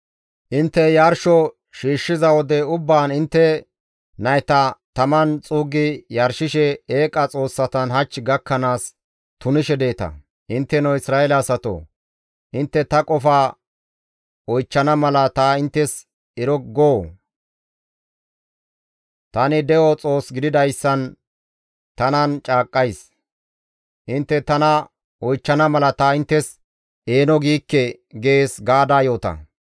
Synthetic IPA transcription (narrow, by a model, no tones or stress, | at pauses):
ʔɪnt̪ːɛjaɾʃɔ | ʃiːʃːɪzɐwɔd̪ɛʊbːaːnɪnt̪ːɛ | nɐjt̪ɐt̪ɐmɐnt͡sʼuːɡɪjɐɾʃɪʃɛeːkʼɐt͡sʼo̞ːsːɐt̪ɐnɦɐt͡ʃːɡɐkːɐnaːs | t̪ʊnɪʃɛd̪e̞ːt̪ɐ̰ | ʔɪnt̪ːɛnɐwɪsɾaːɛlɐːsɐt̪o̰ː | ʔɪnt̪ːɛt̪ɐkʼɔfaː | ɔjt͡ʃːɐnɐmɐlɐt̪aːɪnt̪ːɛs | ɛɾɔɡoː | t̪ɐnɪd̪ɛʔɔt͡sʼo̞ːsɡɪd̪ɪd̪ɐjsːɐn | t̪ɐnɐnt͡ʃʼaːkʼːɐjs | ʔɪnt̪ːɛt̪ɐnɐ | ɔjt͡ʃːɐnɐmɐlɐt̪aːɪnt̪ːɛs | e̞ːnɔɡiːkːɛ | ɡeeːsɡaːd̪aːjo̞ːt̪ɐ̰